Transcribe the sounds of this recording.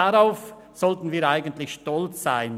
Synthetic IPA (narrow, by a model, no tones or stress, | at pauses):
aʁaʊf | z̥ɔltn̩viːɐɾaɪɡəntlɪçʃtɔlt͡sz̥aɪn